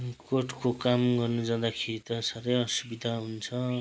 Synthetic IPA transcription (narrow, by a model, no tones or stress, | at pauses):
koʈkokamɡʌrnud͡zʌ̃d̪akʰeɾit̪ʌsaɾʌjʌsubid̪ʱaɦunt͡sʰʌ